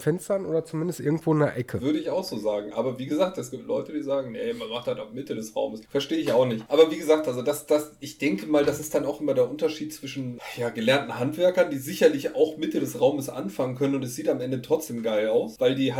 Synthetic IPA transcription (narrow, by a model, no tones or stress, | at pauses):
fɛnstɐnʔoːdɐt͡sumɪndəstʔɪ̰ɐɡŋ̩tv̥oːɪnɐ̰ʔɛkʰəvʏɐɾəɪçaʊxz̥oːzaːɡŋ̩ʔa̰ːbɐviːɡəzaːk̚tɛsɡ̥iːp̚tʰlɔ̰ʏtədiːzaːɡŋ̩nemanmaχthaltaʊxmɪtədɛsʁa̰ʊməsfɛɐʃteːəɪçaʊxnɪçtʔaːbɐviːɡəzaːk̚tʔalzodasd̥asɪçd̥ɛŋkəmaːldasɪst̚d̥anaʊxʔɪmɐdeːɐʔʊntɐʃiːtt͡sv̥ɪʃn̩jaːɡəlɛɐntn̩ɦantv̥ɛɐkɐndiːzɪçɐlɪça̰ʊxmɪtədɛsʁaʊməsʔa̰nfaŋənkʰœnənʊntɛsz̥iːtamʔɛndətʁ̥ɔt͡sd̥eːmɡaɪlaʊsv̥aɪldiːɦ